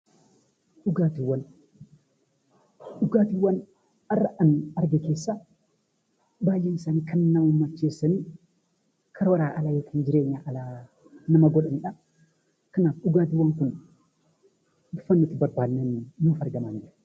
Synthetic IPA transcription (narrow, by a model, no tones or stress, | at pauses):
ᶑʊɡaːt̪ɪwːɐn | ɗʊɡaːt̪ɪwːɐn | ɐrːɐʔɐnɐɾɡeke̞ːsːa | baːjːenɪsaːniːkɐnnaumːɐt͡ʃːe̞ːsːɐniː | kʰɐɾɐwɐɾaːʔɐlajokʰiːnd͡ʒɪɾeːɲːaːʔɐlaː | nɐmɐɡɔᶑɐnᶑɐ | kɐnaːfɗʊɡaːt̪ɪwːɐŋkʊn | d̪ʊfɐnːɪt̪ːɪbɐɾbaːnːɛnːuːfɐɾɡɐmaːnd͡ʒɪɾɐ